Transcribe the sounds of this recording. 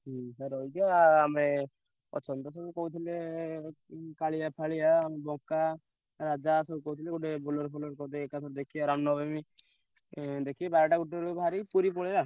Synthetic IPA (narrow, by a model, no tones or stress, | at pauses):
ɦsaɾɔjd͡ʒiaːme | ɔ̰t͡ʃʰɔnt̪ɔs̬ɔbukɔɦut̪ʰile | kaɭijapʰaɭiaːmbɔka | ɾad͡ʒasɔbukɔɦut̪ʰileɡuʈebolɔɾpʰolɔɾkɔt̪eːkat̪ʰɔɾd̪ekʰiaɾamnɔbemi | d̪ekʰiebaɾɔʈaɡuʈiɾubʱaɾipuɾipɔɭeɾa